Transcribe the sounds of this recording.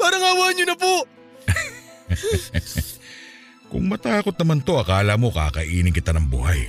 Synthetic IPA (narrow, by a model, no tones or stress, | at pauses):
paːɾɐŋaːwaːɲʊnɐpoʔ | kʊ̰ŋmɐt̪aːkot̪̚nɐmant̪o̞ɐkaːlamo̞ka̰ːkɐʔiːnɪŋkɪt̪anɐŋbṵːhɐj